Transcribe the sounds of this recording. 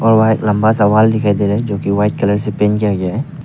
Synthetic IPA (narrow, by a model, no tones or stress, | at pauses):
ɔːɾʋajt̪lɐ̃mbasɐʋaːld̪ɪkʰaid̪eɾɛd͡ʒoːkiʋaːɪʈ̪̚kɐləɾsepẽːnkijaɡɪjaɦɛː